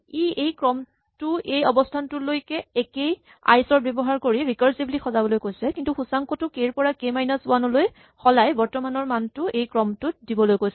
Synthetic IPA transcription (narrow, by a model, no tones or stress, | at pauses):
iʔejkɹɔm | tʊejɔbɔstʰantʊlojkɛɛkej | a̰jsɔɹbjɔbɔɦaɹkoɹiɹikɔɹsiblixɔzabɔlojkojsɛkintuxusaŋkɔtʊkeɹpɔɹakejmajnasʊanɔloj | xɔlajbɔɹtɔmanɔɹmantʊʔejkɹɔmtʊdibɔlojkojsɛ